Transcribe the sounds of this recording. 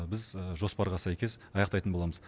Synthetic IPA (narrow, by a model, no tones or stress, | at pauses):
bɪzʒo̞spɑɾʁɑsæjkʲe̞zɑjɑqt̪ɑjt̪ənbolˠɑməz